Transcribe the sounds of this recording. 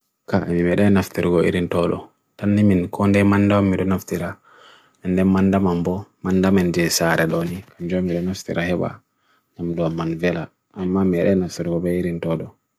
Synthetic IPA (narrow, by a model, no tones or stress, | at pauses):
kaʔɛmimɛɗɛnaftiɾɡɔʔḭɾintɔɗɔ̰ | tanːiminkʰɔndɛmandawamːiɗɔnaftiɾa | ɛndɛnmandamambɔmandamand͡ʒɛsaɾɛɗɔnikad͡ʒɔmːiɗɔnaftḭɾʔahɛɓa̰ | namduamːanvɛla | amːamiɛɗɛnaftiɾɡɔbɛiɾintɔɗɔ